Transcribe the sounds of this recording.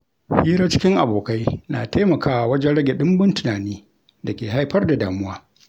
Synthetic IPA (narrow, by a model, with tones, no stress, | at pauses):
hiː˦ɾaː˦t͡ʃɪ̥˦kʲɪ˦ŋʔa˨boː˨ka˦jnaː˨ta˦jmɐ˨kaː˦ʔa˨wɐ˦d͡ʒɛ˦nɽɐ˦ɡʲe˨ɗɪ˦mbɪ˦ntʊ˨naː˨niː˦ | dɐ˨kʲeː˨ɦa˦jɸɐ˦rda˨daː˨mʊ˦waː˦